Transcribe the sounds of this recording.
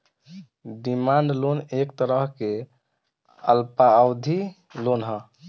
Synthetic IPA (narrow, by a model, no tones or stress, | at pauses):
ɖimaɳɖlonek̚t̪əɾəɦke | əlpaːwd̪ʱi | lonɦə